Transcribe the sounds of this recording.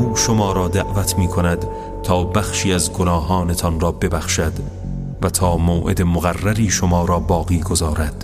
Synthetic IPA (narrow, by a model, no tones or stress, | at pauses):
uːʃomɒːɾɒːd̪æʔvæt̪ʰmiːkʰo̞næd̪ | t̪ʰɒːbæxʃiːæzɡonɒːɦɒːne̞t̪ʰɒnrɒːbe̞bæxʃæd̪ | væt̪ʰɒːmoːʔḛd̪e̞moɣærːæɾiːʃomɒːɾɒːbɒːɣiːɡozɒːɾæd̪̥